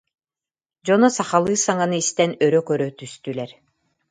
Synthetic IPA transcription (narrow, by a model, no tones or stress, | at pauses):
d͡ʑɔnɔsaχalˠɯːsaŋanɯist̪ɛnœɾœkœɾœt̪yst̪ylɛɾ